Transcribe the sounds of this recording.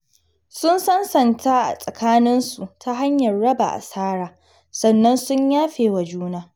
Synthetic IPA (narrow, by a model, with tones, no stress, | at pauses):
sʊ˦nsɐ˦nsɐ˨ntʰa˦ʔa̰˨sʼɐ˨kʰaː˦nɪ˦nsu˨tʰa˦ɦa˦ɲjɐ˨rɽɐ˦ba̰˨ʔa̰˨saː˦ɾaː˨ | sɐ˨nːɐ˦nsʊ˦ɲjaː˦ɸeː˨wa˨d͡ʒuː˦naː˦